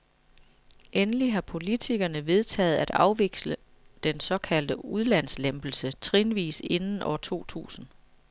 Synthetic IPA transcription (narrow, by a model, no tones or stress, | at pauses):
ʔenəliɦɑ̈pʰo̝lit͡sʰiɡ̥ɐnəʋe̝ð̞ˠt͡sʰɛ̰ːð̞̩ˠæd̥ɑ̈ʊʋe̝ɡ̥slə | d̥ensɒ̽kʰæl̰d̥əuð̞ˠlæn̰slemb̥l̩sət͡sʰʁinʋḭːse̝nn̩ʔɒ̰ʊt͡sʰo̝̰ːt͡sʰṵːsn̩